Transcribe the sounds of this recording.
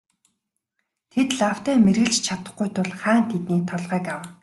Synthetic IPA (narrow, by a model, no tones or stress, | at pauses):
t̪ʰet̪ɮaw̥t̪æːmerɣɘ̆ɮt͡ɕt͡ɕʰat̪ə̆χɡujt̪ʰʊɮχaːnt̪ʰet̪niːt̪ʰɔɮʁæːkaw